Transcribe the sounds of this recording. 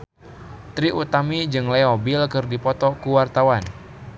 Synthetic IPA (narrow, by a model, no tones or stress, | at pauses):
t̪ɾiʔut̪amid͡ʒɨŋlɛɔbilkɨrdipɔt̪ɔkuwart̪awan